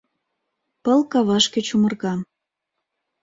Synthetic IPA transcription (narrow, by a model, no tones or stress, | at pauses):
pəlkɑβɑʃkĕt͡ɕumɤ̆rɣɑ